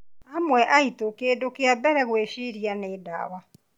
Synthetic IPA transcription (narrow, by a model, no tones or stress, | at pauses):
amwɛʔaitokedokeabɛɾɛɣweɕiɾianeːda̰wa